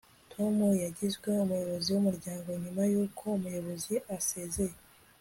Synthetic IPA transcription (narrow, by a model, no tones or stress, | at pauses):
tʰo̞mujaɟizɡwe̞umujo̞βo̞ziwumuɾɟaːŋɡo̞ɲumajuːkʰo̞umujo̞βo̞ziʔasezeje